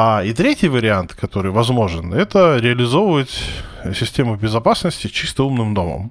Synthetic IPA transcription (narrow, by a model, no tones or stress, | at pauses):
ait̪ɾʲetʲɪjvəɾʲɪant̪kɐt̪o̞ɾɨjvɐzmo̞ʐɨnɛt̪əɾʲɪɐlʲɪzo̞vəvətʲsʲɪsʲtʲe̞mʊbʲɪzɐpasnəsʲtʲɪt͡ɕist̪əumnɨmd̪o̞mə̰m